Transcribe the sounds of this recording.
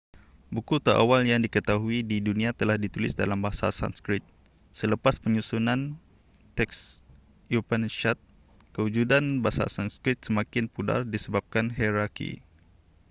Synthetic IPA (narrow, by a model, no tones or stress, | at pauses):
bukut̪əɾʔa̰waljaŋdikət̪aɦuididunĩat̪əlahdit̪ulɪ̰sdalambaasa̰sa̰nskɾɪt̪̚ | sələpaspəɲusunan | t̪ɛks | jupənʃat̪̚ | kəud͡ʒudanbasa̰sanskɾɪt̪̚səmakɪnpuda̰rdisəbap̚kanɦɛɾakḭ